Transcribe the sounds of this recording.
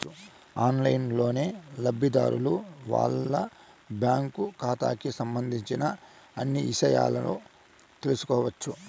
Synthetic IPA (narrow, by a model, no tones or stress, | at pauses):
u | aːnlɐjnlo̞ːne̞ːlɐbʱid̪a̰ːɾʔuluʋa̰ːɭːɐ | bjaːŋkukaːt̪a̰ːkisɐmbɐnd̪ʱiɲt͡ʃinɐː | nːiiʃɐja̰ːlɐnṵ | t̪e̞lusu̥kɔːʋɐt͡ʃːu